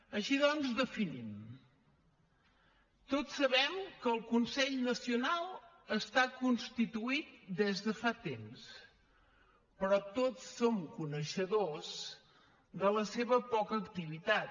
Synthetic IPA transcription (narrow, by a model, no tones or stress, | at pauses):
əʃiðɔnzdəfinim | t̪otsːəβɛmkəːlˠkunsɛʎnəsiunalˠ | əst̪akunst̪it̪uit̪̚d̪ezðəfat̪ems | pɾɔt̪otsːomkunəʃəðoz | d̪ələseβəpɔkəːkt̪iβit̪at̪̚